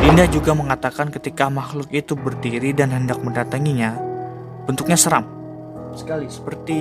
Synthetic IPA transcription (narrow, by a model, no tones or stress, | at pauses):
ʔindahd͡ʒuɡaməŋat̪akankət̪ikamahlʊkit̪ubərdiɾidanɦəndak̚məndat̪aŋiɲa | b̥ənt̪uk̚ɲasəɾam | sə̥kalisə̥pərt̪i